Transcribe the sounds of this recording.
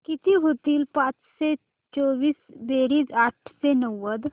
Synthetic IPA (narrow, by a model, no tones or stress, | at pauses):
kit̪iɦot̪iːlpãːt͡ʃse | t͡ʃɔːʋiːsbeɾiːd͡zaʈʰsenəwːəd̪